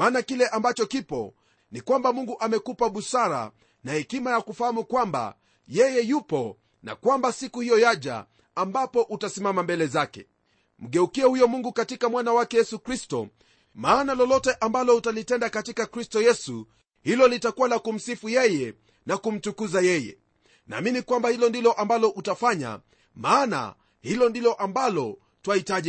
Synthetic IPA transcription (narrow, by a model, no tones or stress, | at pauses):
maːnakilɛʔambat͡ʃɔkipɔ̰ | nikwambamuŋɡuʔamɛkupaɓusaɾa̰ | nahɛkimajakufahamukwamba̰ | jɛjɛjupɔ | na̰kwambasikuhijɔjaʄa̰ | ambapɔʔutasimamambɛlɛzakɛ̰ | m̩ɠɛukiɛhujɔmuŋɡukatikamwanawakɛjɛsukɾistɔ̰ | maːnalɔlɔtɛʔambalɔutalitɛndakatikakɾistɔjɛsu | hilɔlitakuwalakum̩sifujɛjɛ | nakum̩t͡ʃukuzajɛjɛ̰ | na̰ːminikwambahilɔndilɔʔambalɔʔutafaɲa̰ | maːna̰ | hilɔndilɔʔambalɔ | twahitaʄi